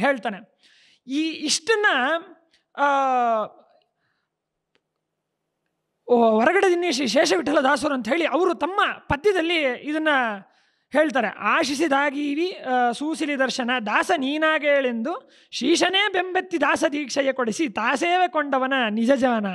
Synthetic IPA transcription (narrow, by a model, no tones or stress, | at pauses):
ɦe̞ːɭt̪aːne | iːiʂʈɐnːɐ | ʋɔɾɐɡɐɽed̪inːiiʃɛːʂɐʋiʈːɐlːɐd̪aːs̬ɐɾuɐnt̪ɐɦe̞ːɭiʔɐʋɐɾut̪ɐmːɐpɐd̪jɐd̪ɐlːiid̪ɐnːɐ | heːɭt̪̬aːɾḛʔaːʃisid̪aːɡiːʋisuːsilid̪ɐɾʃɐnɐd̪aːsɐniːnaːɡeːɭend̪u | ʃiːʂɐneːbembɐt̪ːid̪aːsɐd̪iːkʂɐjɐkoɽisit̪aːseːʋekoɳɖɐʋɐnɐnid͡ʒɐd͡ʒaːnɐ